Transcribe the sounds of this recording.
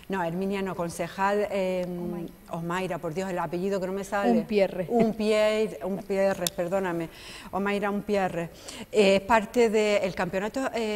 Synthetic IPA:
nõeɾmĩnjanokõ̞nse̞xalem | oɦmajɾapo̞ɾðjo̞ɦelape̞ʝiðokenome̞salepjereumpjeɾumpjerehpe̞ɾðo̞name | omajɾaumpjereheehpaɾt̪eðeːlkampeonat̪oe

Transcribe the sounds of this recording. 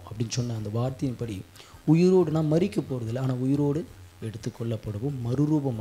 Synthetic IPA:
ɐpːɐɽɪnːsɔnːɐɐnd̪ɐʋaːɾt̪ɐjɪnpːɐɽiʊjɪɾoːɽɯnãːmɐɾɪkːɐpoːɾɐðɪlːɐaːnaːʊjɪɾoːɽɯɛɽɯt̪ːɯkːɔɭːɐpːɐɽɐʋoːmɐɾɯɾuːbɐm

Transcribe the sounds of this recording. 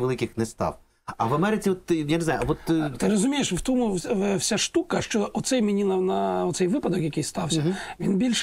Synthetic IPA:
ʋɛlˠɪkʲɪxnɛst̪a̰w | ɐ̰ʋɐmɛɾɪt͡sʲiɔt̪janeznajʊabɔt̪t̪ɪɾɔzumʲejɛʂft̪ɔmufsʲaʂt̪ukɐʂt͡ʃɔʔɔt̪sɛjmʲinʲilˠɐnaɔt̪sɛjvɪpad̪ɔkjakʲijst̪awsʲɐvʲinbʲilʲʂ

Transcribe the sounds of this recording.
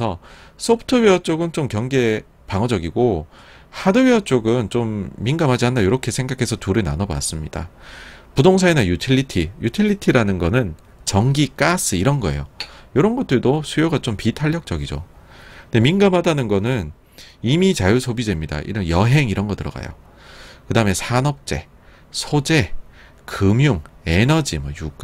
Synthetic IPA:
sʰʌsʰopʰɯ̥tʰɯweʌt͡ɕ͈oɡɯnt͡ɕomkjʌŋɡe̞ | paŋʌd͡ʑʌɡiɡo | hadɯwiʌt͡ɕ͈oɡɯnt͡ɕomːinɡamɦad͡ʑiɦanːdajoɾʌkʰe̞sʰe̞ŋɡakʰe̞sʰʌtuɾɯna̰nʌba̰s͈ɯmɲid̥a̰pudoŋsʰaenajutʰiʎːitʰijutʰiʎːitʰiɾanɯnɡʌnɯn | t͡ɕʌŋɡik͈as͈ʰɯiɾʌnɡʌe̞̰jo̰joɾʌnɡʌt͈ɯɭdosʰujoɡat͡ɕompitʰaʎːʌk̚t͡ɕ͈ʌɡid͡ʑo̰nde̞minɡamɦadanɯnɡʌnɯn | imit͡ɕajusʰobidwe̞mɲida̰ʔḭɾɯnjʌɦe̞ŋiɾʌnɡʌtɯɾʌ̰ɡa̰jo̰ | kɯdaɯmesʰanʌp̚t͡ɕ͈e̞ | sʰod͡ʑe̞ | kɯmjuŋe̞nʌd͡ʑimʌjuk͈a

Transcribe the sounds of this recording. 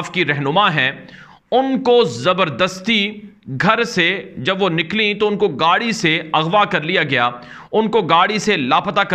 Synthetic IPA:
fkiɾɛɦnʊmaɦɛ̃ | ʊnkozɐbəɾd̪əst̪i | ɡʱɐɾsed͡ʒɐbʋonɪklĩt̪oʊnkoɡaːɽiseɐɣʋakɐɾlijaɡɐjaː | ʊnkoɡaːɽiselaːpɐt̪akɐ

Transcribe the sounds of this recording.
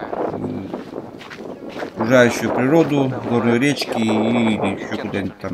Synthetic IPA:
ɐkɾʊʐajʉɕːʊjʊpɾʲɪɾo̞d̪ʊɡornʊjʊɾʲet͡ɕkʲɪlʲɪɕːokʊd̪anʲɪt̪̚ʲt̪ːam

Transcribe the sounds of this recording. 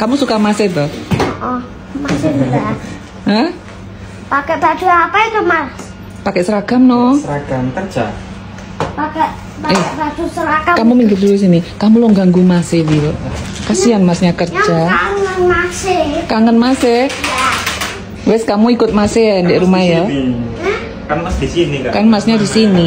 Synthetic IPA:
kamusukamasɪt̪ɔhɔʔɔ | maseda | həh | pakɛb̥ḁd͡ʒ̥uapaik̪əmar | pakɛʔsəɾaɡ̥amnɔsɾaɡamkərd͡ʒa̰ | pakɛʔ | paɛkɛbad͡ʒ̥usəɾaɡakamumiŋɡɪtluis̬inikamuloŋɡaŋɡumasɪhdiɾokasianmasɲakərd͡ʒaaŋənmasekaŋənmase | wɛskamuikʊt̪̚masɪndɛʔɾumahja | kaasdisinikarmasɲadisini

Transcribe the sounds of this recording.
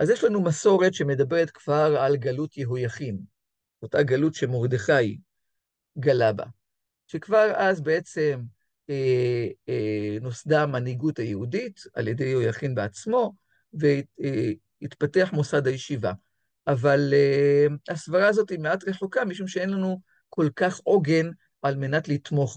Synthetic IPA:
ʔazjeʃlanumaso̞ʁe̞tʃeme̞dabe̞ʁetkv̥aʁalɡalutjeɦojaχim | otaɡalutʃe̞moʁd̪eχaji | ɡalaba̰ | ʃe̞kvaʁazbe̞e̞t͡se̞m | e | no̞sdamaniɡuthajehudita̰lje̞dejho̞jaχinbeat͡smo̞ | ve | itpateaħmosadhajeʃiva̰ | ʔavalehasvaʁaːzo̞time̞atʁe̞χokamiʃumʃee̞nlanu | kʰo̞lkaχo̞ɡe̞n | ʔalme̞natlitmo̞χ

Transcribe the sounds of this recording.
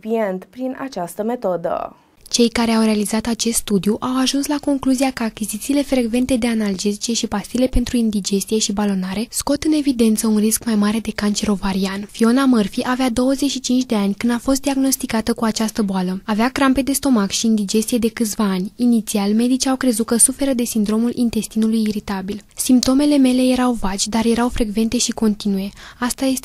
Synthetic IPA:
pient̪pɾina̰t͡ʃast̪əme̞t̪o̞d̪ə̰ | t͡ʃe̞jkaɾe̞awre̞alizat̪at͡ʃe̞st̪st̪ud̪iuʔawaʒunslako̞ŋkluziakəakʲizit̪siːle̞fɾe̞ɡve̞nt̪e̞d̪e̞anald͡ʒezit͡ʃe̞ʃipast̪iːle̞pe̞nt̪ɾuind̪id͡ʒe̞st̪ije̞ʃibalo̞naɾe̞sko̞t̪ɨne̞vid̪e̞nt̪səunriskmajmaɾe̞d̪e̞kant͡ʃe̞ɾo̞vaɾianfio̞namərfiʔavead̪o̞wəze̞t͡ʃʃit͡ʃint͡ʃd̪e̞anʲkɨnd̪afo̞st̪̚d̪iaɡno̞st̪ikat̪əkuat͡ʃast̪əboaləaveakɾampe̞d̪e̞st̪o̞makʃiːnd̪id͡ʒe̞st̪ije̞d̪e̞kɨt̪sʲvaːnʲinit̪sialme̞d̪it͡ʃiawkɾe̞zut̪kəsufe̞ɾəd̪e̞sind̪ɾo̞mulʔint̪e̞st̪inulujiɾit̪abilsimpt̪o̞me̞le̞me̞le̞je̞ɾawvat͡ʃʲd̪arje̞ɾawfɾe̞ɡve̞nt̪e̞ʃiko̞nt̪inuje̞ast̪aje̞st̪

